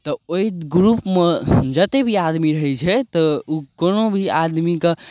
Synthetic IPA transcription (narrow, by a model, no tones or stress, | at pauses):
t̪ɔoiɡɾupmed͡ʒət̪ebʱiad̪miɾəɦɛt͡ʃʰɛt̪ɔukonobʱiad̪mike